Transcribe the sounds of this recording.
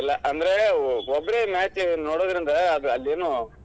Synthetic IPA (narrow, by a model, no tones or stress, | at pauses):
ɪlːɐʔɐnd̪ɐɾeɔbɐɾemaːt͡ʃːnoːɽoːðɪɾɪnd̪ɐɐðɯɐlːeːnːũ